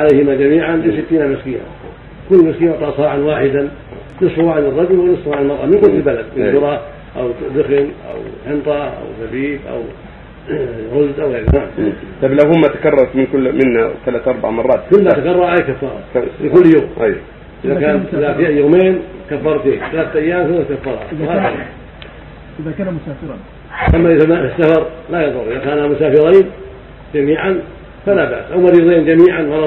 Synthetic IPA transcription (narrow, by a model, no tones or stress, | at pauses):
ʕalejhɪmad͡ʒamiːʕanlisɪt̪ːiːnamɪskiːna̰ | kʊlːmɪskiːnaʕt̪ˤɑːʔsˤɑːʕanwaːħɪd̪a | nɪshuaʕanɪrˤːɑd̪uwɪnɪsˤːʊʕanɪlmɑɾˤʔɑmɪnkʊnt̪ɪlbalad̪mɪʊɾˤɑ | ʔa̰wd̪ɪxɪnʔa̰wħɪnt̪ˤɑʔa̰wθabiːb̪ʔa̰w | ɾʊzd̪ʔawɣeːɾat̪ˤɑblawhʊmːat̪ḁkɑrˤːɑɾˤt̪mɪnkʊmɪnːat̪alaːt̪ʔɑɾˤba̰ʕmɑrˤːɑːt̪kʊlːmat̪akɑrˤːɑɾˤʔajkafːɑ̰ːɾˤɑ̰fikʊlːjoːmʔj | ʔɪðakaːnʔɪðafiːʔajːoːmeːnkafːɑɾˤt̪iːθalaːt̪ʔajːaːmθɪakafːɑɾˤhɑ̰haːɑ̰l̰ˤ | ɪa | ʔamːaɪðamːaɪsːafɑɾˤlajɑðˤʊɾˤʔɪðakaːnamʊsaːfɪɾiːn | d͡ʒamiːʕan | falaba̰ʔsʔawmaɾiːd̪iːnd͡ʒamiːʕanwal